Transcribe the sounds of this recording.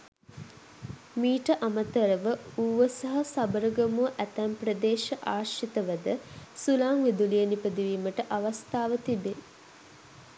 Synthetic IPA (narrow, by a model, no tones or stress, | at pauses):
miːʈəʔamət̪əɾəʋəuʋəsɐɦɐsabəɾəɡəmuəʔæt̪æmpɾɐd̪eːʃɐʔaːʃit̪əʋəd̪əsulaːŋʋid̪ulijənipəd̪iʋiːməʈəʔaʋast̪aːʋət̪ibe